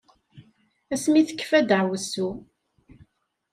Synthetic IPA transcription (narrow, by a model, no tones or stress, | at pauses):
æsmiθə̥kːfæd̪əʕwəsːu